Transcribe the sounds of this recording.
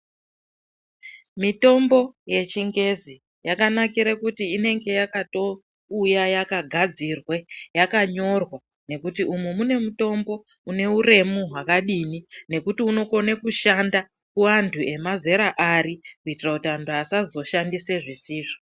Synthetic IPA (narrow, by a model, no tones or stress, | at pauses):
mito̞mbo̞je̞t͡ʃiŋɡe̞zi | jakanakiɾekutiːne̞ŋɡe̞jakato̞ | ujajakaɡʱad͡zirwe̞jakaɲo̞rwa | ne̞kutiumumune̞muto̞mbo̞ | une̞ure̞muɦwakaɗinine̞kutiuno̞ko̞nekuʃanda | kuantʰue̞maze̞ɾaʔaɾikuitirakutiantʰuasazo̞ʃandise̞ʐisiːʐo